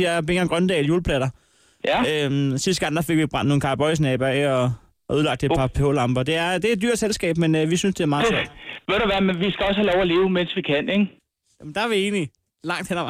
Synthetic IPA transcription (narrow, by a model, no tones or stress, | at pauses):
beŋɐɡ̥ʁɶnd̥ɛ̰ːljuːlpʰlæɾ̥ɐ | øsisd̥ɡ̥ɑ̈n̰d̥ɑ̈fe̝ɡ̥ʋib̥ʁɑ̈n̰nːo̝ːn̩kʰɑ̈b̥ɒ̽ɪs̬nɛːb̥ɐeɒ | uð̞ˠlɑ̈ɡ̥̚d̥e̝̥pʰɑ̈pʰeo̰ːlɑ̈mb̥ɐd̥e̝æɐd̥e̝æɐd̥yɐ̰d̥selsɡ̥ɛ̰ːb̥menʋisynsd̥e̝æɐmɑ̈ːsoɐd̥ʋeɾ̥æʋæmenʋisɡ̥æɒ̽shælɒʊæle̝ːʊmen̰sʋikʰæneŋ | jæmnd̥ɑæɐʋie̝̰ːni | lɑ̈ŋ̰d̥henɐʋ